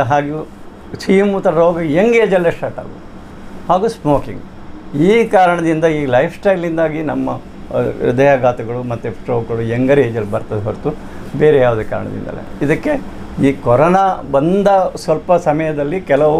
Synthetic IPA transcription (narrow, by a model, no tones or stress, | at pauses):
ɦaːɡu | sijmut̪ːɐɾɐɾoːɡɐjeŋɡɛd͡ʒɐlːɐsʈaːʈa̰ːɡu | haːɡusmoːkḭŋɡ | iːkaːɾɐɳɐd̪ind̪ɐiːɡlɐjpʰsʈɐjlːind̪aːɡinɐmːɐ | ɾṵd̪ɐjaɡaːt̪ɐɡɐɭumɐt̪ːuʈɾoːɡɐɭujeŋɡɐɾed͡ʒɐlːbɐɾt̪ɐd̪ɦɐɾt̪u | beːɾejaːʋd̪eka̰ːɾɐ̰ɳɐ̰d̪ḭnd̪ɐ̰lːḛid̪ɐkːe | iːkɔɾɐnabɐnd̪ɐsʋɐlpɐsɐmɐjɐd̪ɐlːikɛlɐʋu